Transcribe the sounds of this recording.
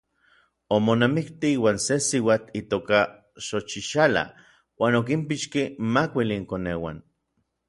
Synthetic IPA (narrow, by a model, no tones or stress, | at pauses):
omonamikt̪iiːwaːnsesiwaːt͡ɬit̪oːka | ʃot͡ʃiʃala̰ | waːnok̬impiʃkimakʷiliːŋkoneːwa̰n